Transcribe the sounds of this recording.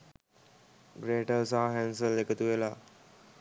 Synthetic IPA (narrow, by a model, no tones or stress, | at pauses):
ɡɾeːʈəsaɦaɦænsəlekət̪uʋela